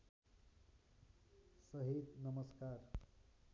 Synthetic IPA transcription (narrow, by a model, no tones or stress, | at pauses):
sʌɦed̪nʌmʌskar